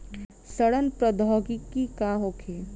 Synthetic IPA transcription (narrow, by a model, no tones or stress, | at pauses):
səɽənpɾəd̪ʱɔːɡikːikaːɦoːkʰeː